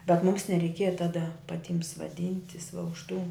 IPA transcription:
bʲɛt muːms nʲɛrʲɛɪˈkʲiɛjɛ ˈtɑːdɐ pɐˈtʲɪm sʋɐˈdʲɪnʲtʲɪs ʋɐ ʊʃ tuː

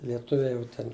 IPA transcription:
lʲiɛˈtʊʋʲɛɪ ˈjɛʊ tʲɛn

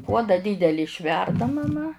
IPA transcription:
ˈpuɔdɐ ˈdʲiːdʲɛlʲɪ ɪʃʲˈʋʲɛrdɐ mɐˈmɐ

